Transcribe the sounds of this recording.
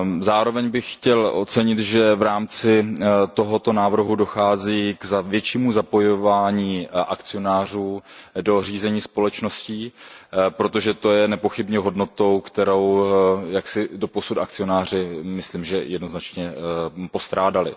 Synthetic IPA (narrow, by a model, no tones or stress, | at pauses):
zaːɾo̞vɛɲbɪxxcɛlʔo̞̰t͡sɛɲɪt̪ʒɛvɾaːmt͡sɪt̪o̞ɦo̞t̪o̞naːvr̩ɦudo̞xaːziːɡzavjɛt͡ʃiːmuzapo̞jovaːɲiːʔakt͡sɪo̞naːr̝uːdo̞riːzɛɲiːspo̞lɛt͡ʃno̞sciːpɾo̞t̪o̞ʒɛt̪o̞jɛnɛpo̞xɪbɲɛɦo̞dno̞t̪o̞wkt̪ɛɾo̞wjaksɪdo̞po̞sut̪ak̚t͡sɪo̞naːr̝ɪmɪsliːmʒɛjɛdno̞znat͡ʃɲɛpo̞st̪ɾaːdalɪ̰